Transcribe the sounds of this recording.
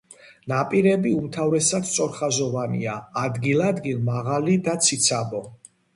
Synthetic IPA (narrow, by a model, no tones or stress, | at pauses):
napʼiɾɛbiumt̪ʰavɾɛsad̪st̪sʼɔɾχazɔvanḭaːd̪ɡilad̪ɡilˠmaʁalid̪at̪sʰit̪sʰabɔ